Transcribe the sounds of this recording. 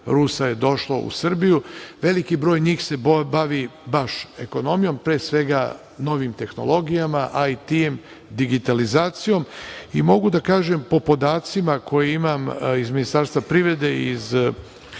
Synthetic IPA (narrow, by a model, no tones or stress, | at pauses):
ɾusaje̞d̪o̞ʃlˠo̰ṵsr̩bijuʋe̞likibɾo̞ːjɲiːxse̞bbaʋibaʃe̞ko̞no̞mijo̞mpɾeːsʋe̞ɡa | no̞ʋimt̪e̞xno̞̰lˠo̞ɡijamaʔait̪ijm | d̪iɡit̪alizaːt̪sijo̞mimo̞ɡud̪akaːʒempo̞po̞d̪aːt̪simakʰo̞jeimamizminist̪aɾst̪ʋapɾiʋe̞d̪e̞iz